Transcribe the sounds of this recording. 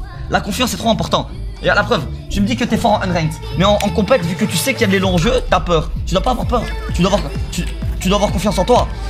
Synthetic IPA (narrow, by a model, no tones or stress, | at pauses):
lakɔ̃fjɑ̃sɛt̪χoɛ̃pɔʁt̪ɑ̃ | jalapχœv | ʒəməd̪ikət̪ɛfɔʁɑ̃ʔɛnʁɛ̃ŋk̪ | mɛɑ̃ʔɑ̃kɔ̃pɛt̪vykət̪ysɛkiljad̪lelɔ̃ʒøt̪yapœːʁt̪yd̪wapaːvwaʁpœːʁ | t̪yd̪wavwaʁt̪y | t̪yd̪waːvwaʁkɔ̃fjɑ̃sɑ̃t̪wa